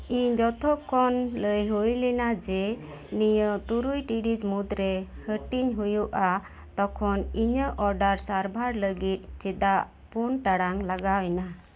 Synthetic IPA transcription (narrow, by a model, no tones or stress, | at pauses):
iɲd͡ʒɔt̪ʰɔkɔnləjɦujlɛnad͡ʒɛ | nijət̪uɾujʈiɖid͡ʒmud̪ɾɛ | həʈiɲɦujuʔa | t̪ɔkʰɔniɲəʔɔɾɖaɾsaɾbʱaɾləɡit̪̚ˀt͡ʃid̪aʔ | punʈaɽaŋlaɡawɛna